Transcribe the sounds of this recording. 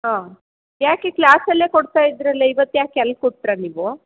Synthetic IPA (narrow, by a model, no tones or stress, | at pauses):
ɦãː | jaːkekɭaːsɐlːeːkoɽt̪aːjid̪ɾɐlːeiʋɐt̪ːujaːkɛlːkoʈʈɾaniːʋu